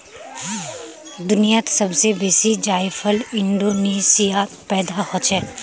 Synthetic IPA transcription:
d̪ʊnijat̪sɐbsebeːsid͡ʒaːɪfʰəlɪ̃ɳɖoːneːsija | pɛːd̪ahot͡ʃʰɛː

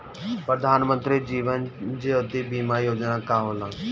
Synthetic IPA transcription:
pɾəd̪ʱaːnmə̃nt̪ɾid͡ʒiːʋənd͡ʒeot̪ibiːmaːjoːd͡ʒnakaːɦoːlãː

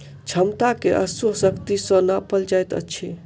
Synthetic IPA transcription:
t͡ʃʰəmt̪akeʔəsəɦsəkt̪isə̃napəld͡ʒajt̪ə̰tːt͡ʃʰe

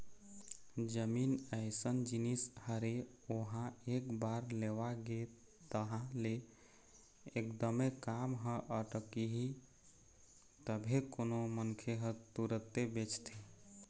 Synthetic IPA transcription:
d͡ʒəminəɪsənd͡ʒinishəɾe | oɦãekbaɾleʋaɡe | t̪əɦãle | ekd̪əmekamɦə̃ʔəʈəkiɦi | t̪əbʱekonomənkʰeɦə̃t̪uɾət̪ebet͡ʃt̪ʰe

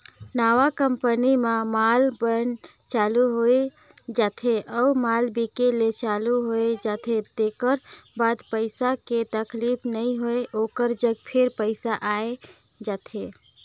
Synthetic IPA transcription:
naʋakəmpənimãmalbən | t͡ʃaluɦoe | d͡ʒaːt̪ʰeʔəumalbikelet͡ʃaluɦoed͡ʒat̪ʰet̪ekəɾbad̪pəɪsaket̪əklipʰnəĩɦoeʔokəɾd͡ʒəɡ̚pʰeɾpəɪsaʔae | d͡ʒaːt̪ʰe

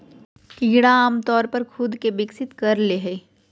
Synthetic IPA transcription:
kiːɽaaːmt̪ɔːɾpɐɾkʰʊd̪ʱkeʋɪksɪt̪kɐɾleɦɛː

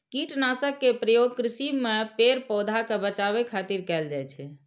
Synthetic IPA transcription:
kiʈnasəkːepɾəjoɡ̚kɾisibmepeɾpɔwd̪ʱakebət͡ʃaβekʰat̪iɾkɛld͡ʒajt͡ʃʰɛ

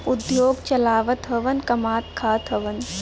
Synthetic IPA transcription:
ʊd̪joːɡt͡ʃɐlaːʋət̪ɦɐʋɐnkɐmaːt̪kʰaːt̪ɦɐʋən

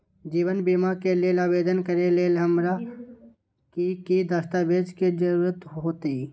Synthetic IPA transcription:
d͡ʒiːʋənbiːmakeleːlaːbeːd̪ənkəɾeleːlɦəmɾa | kikid̪əst̪abeːd͡ʒked͡ʒəɾuːɾət̪ɦoːt̪iː

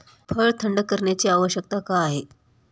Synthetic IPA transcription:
pʰəɭt̪ʰəɳɖəkːəɾɳjat͡ɕiːaʋəɕjək̚t̪akaːɦe

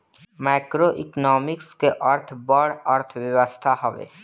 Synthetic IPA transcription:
maːkɾoʔɪ̰knɔːmɪkskeʔəɾt̪ʰbɔɽəɾt̪ʰʋjəwəst̪ʰaɦɔʋḛː

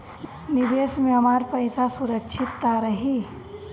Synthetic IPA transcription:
nɪbeːsmẽɐmaːɾpəɪsasʊɾəkʃʰɪt̪ːaɾəɦi

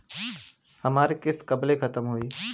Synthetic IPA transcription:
hɐmaːɾekɪskɐblekʰɐt̪əmɦoːiː

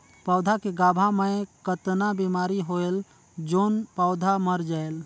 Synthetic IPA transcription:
paʊd̪ʱakeɡabʱamẽkət̪nabemaɾiɦoel | d͡ʒoːnpaʊd̪ʱaməɾd͡ʒael

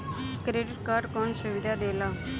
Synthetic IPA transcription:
kɾeːɖɪʈkaːɾɖkɔːnsʊʋɪd̪aːd̪eːlãː

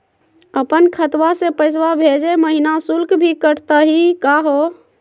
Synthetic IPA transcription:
əpənkʰət̪wasepəɪs̬wabʱed͡ʒeməɦinasulkbʱikəɽt̪əɦikaɦo

